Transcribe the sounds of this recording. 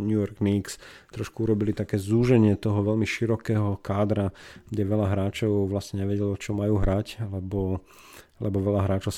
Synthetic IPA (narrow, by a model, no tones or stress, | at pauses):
ɲujɔɾɡniːkst̪ɾɔʃkuuɾɔbilit̪akɛːzuːʒɛɲɪɛt̪ɔɦɔʋɛʎmiʃiɾɔkɛːɦɔkaːd̪ɾaɡɟɛʋɛʎaɦɾaːt͡ʃɔʊʋlasɲɛɲɛʋɛɟɛlɔt͡ʃɔmajuːɦɾaclɛbɔ | lɛbɔʋɛʎaɦɾaːt͡ʃɔʊs